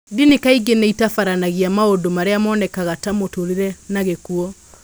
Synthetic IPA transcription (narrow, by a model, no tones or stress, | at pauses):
dinekaiɡeneitafaɾanaɣiamaodomaɾeamɔːnɛkaɣatamotoɾiɾɛnaɣekuɔ